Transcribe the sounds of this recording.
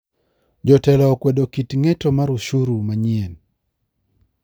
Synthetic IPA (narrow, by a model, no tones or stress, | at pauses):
d͡ʒɔtɛlɔkwedokitŋɛtɔmaɾuʃuɾumaɲien